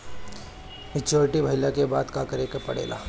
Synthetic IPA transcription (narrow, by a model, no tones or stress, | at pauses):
mɪt͡ʃoːɾɪʈibʱɐɪlakebaːd̪kaːkəɾekɐpɐ̰ɽḛːla̰ː